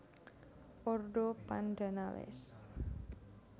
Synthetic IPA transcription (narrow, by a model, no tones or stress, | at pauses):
ʔɔrɖopandanawɛ̰s